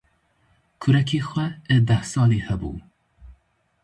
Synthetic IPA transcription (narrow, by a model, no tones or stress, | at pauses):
kʰʊɾɛkʰeːxʷɛɛd̪ɛhsɑːleːhɛbṵː